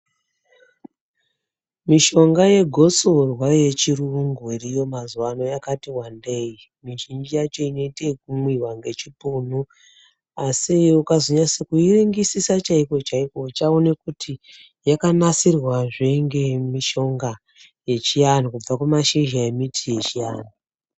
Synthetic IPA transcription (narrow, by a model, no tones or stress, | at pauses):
miʃo̞ŋɡaje̞ɡʱo̞sorwaje̞t͡ʃiruŋɡuirijo̞mazuwano̞jakatiwande̞ji | miʒind͡ʒijat͡ʃo̞ino̞itekumwiwaŋɡe̞t͡ʃipun̤u | asiukazoɲasekuiriŋɡisisat͡ʃaiko̞t͡ʃaikot͡ʃaonekutʰi | jakanasirwaʐeŋɡe̞miʃo̞ŋɡa | je̞t͡ʃijanokub͡vakwumaʃiʒaemitʰije̞t͡ʃija̰ːnu